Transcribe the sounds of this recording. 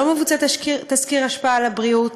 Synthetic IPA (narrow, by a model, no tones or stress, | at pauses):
omevut͡sat̪kit̪askiʁaʃpaalabʁiut